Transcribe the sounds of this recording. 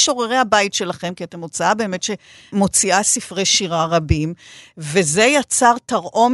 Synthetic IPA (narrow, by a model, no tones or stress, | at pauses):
ʃo̞ʁeʁehabajitʃe̞laχe̞mkiate̞mot͡saabe̞ːme̞tʃe̞ | mo̞t͡siʔasifʁe̞jʃiʁaʁabimveze̞jat͡saʁtaʁʔo̞m